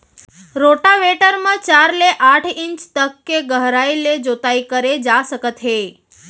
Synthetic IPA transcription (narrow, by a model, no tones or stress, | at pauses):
ɾoʈaʋeʈəɾmãt͡ʃaɾleʔaʈʰiɲt͡ʃt̪əkːeɡəɦɾajled͡ʒot̪ajkəɾed͡ʒaʃəkət̪ʰɦe